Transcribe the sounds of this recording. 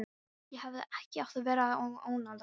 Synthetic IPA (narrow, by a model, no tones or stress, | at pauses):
jɛhavðɪɛhcɪawt̪avɛːɾaooːwnal